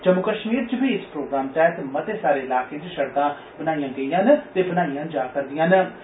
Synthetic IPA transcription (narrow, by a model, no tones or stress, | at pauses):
t͡ʃəmːʊkəʃmiːɾt͡ʃbiːɪspɾoːɡɾaːmt̪ɛːt̪emət̪eːsaːɾeːɪlaːkẽːt͡ʃʃəɽt̪ãː | bənaːijãːɡəijãːnt̪eːbənaːijãːd͡ʒaːkəɾd̪ɪjãːn